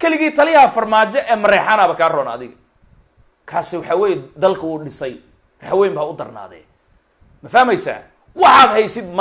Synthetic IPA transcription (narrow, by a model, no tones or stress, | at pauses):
kʰɛlɪɣiːt̪ʰɐlɪjɐhɐfɐrmaːt͡ʃɔʔɛːmɐɾɛːħaːnaːβɐkʰaːrɔːnaɐðɪɣɐ | kʰaːsɪwɑħɑːwɛːjɛd̪ɐlkʰɐuːɖɪsɐj | rħwɛːmbaːʊd̪ɐrna̰ːðɛ̰ː | mɐfɐhmɛjsa̰ː | wɑħɑːd̪ɦɛjsɪd̪m